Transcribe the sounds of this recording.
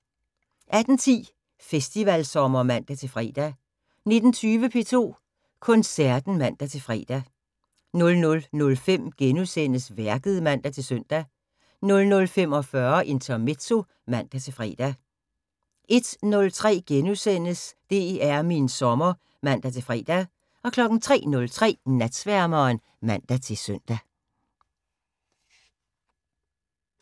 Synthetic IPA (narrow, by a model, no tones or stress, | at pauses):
ʔæd̥n̩t͡sʰḭː | fesd̥iʋælsɒ̽mɐmæn̰d̥æt͡sʰe̝fʁɛ̰ːd̥æ | ne̝d̥n̩t͡sʰyːʋəpʰe̝̰ːt͡sʰo̝̰ː | kʰɔ̽nsæɐd̥n̩mæn̰d̥æt͡sʰe̝fʁɛ̰ːd̥æ | nɔ̽lnɔ̽lnɔ̽lfem̰ɡ̥enusen̰əsʋæɐɡ̥əð̩ˠmæn̰d̥æt͡sʰe̝lsøn̰d̥æ | nɔ̽lnɔ̽lfem̰ɒ̽fɶɐʔe̝nt͡sʰæme̝t͡sʰo̝ | mæn̰d̥æt͡sʰe̝lfʁɛ̰ːd̥æ | ʔe̝d̥nɔ̽lt͡sʰʁɛ̰ːɡ̥enusen̰əsd̥e̝æɐminsɒ̽mɐ | mæn̰d̥æt͡sʰe̝lfʁɛ̰ːd̥æ | ɒ̽kʰlɒ̽ɡ̥n̩t͡sʰʁɛ̰ːnɔ̽lt͡sʰʁɛ̰ːnæd̥sʋæɐmɐːn | mæn̰d̥æt͡sʰe̝søn̰d̥æ